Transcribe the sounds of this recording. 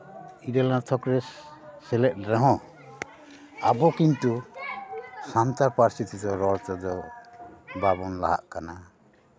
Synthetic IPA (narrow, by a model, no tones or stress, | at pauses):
iɾɛlat̪ʰɔkɾɛsːɛlɛt̚ˀɾɛɦɔ̃ | abɔkint̪u | sant̪aɾpaɾst̪ʰit̪id̪ɔɾɔɾt͡ʃɔd̪ɔ | babɔnla̰ɦa̰ʔkana